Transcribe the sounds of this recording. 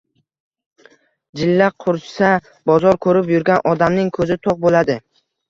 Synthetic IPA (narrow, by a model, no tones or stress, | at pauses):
d͡ʒɪlːaqʰʊɾsa | bɒzɒɾkʰɵɾɪpjʊɾɡʲanʔɒd̪amnɪŋkʰɵzɪt̪ʰoq̚bolad̪ɪ